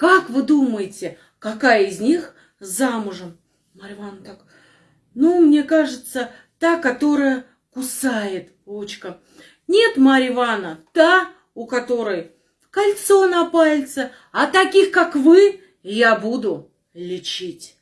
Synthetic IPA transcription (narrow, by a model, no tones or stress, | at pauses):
kakvɨd̪uməjɪtʲɪ | kɐkajɪzʲnʲix | zamʊʐəm | mɐɾʲvant̪ak | numnʲe̞kaʐɨt̪sə | t̪akɐt̪o̞ɾəjə | kʊsajɪt̪ | ut͡ɕkə | nʲe̞t̪maɾʲɪvanət̪a | ʊkɐt̪o̞ɾəj | kɐlʲt̪so̞nɐpalʲt̪sə | ɐt̪ɐkʲixkakvɨ | jabud̪ʊ | lʲɪt͡ɕitʲ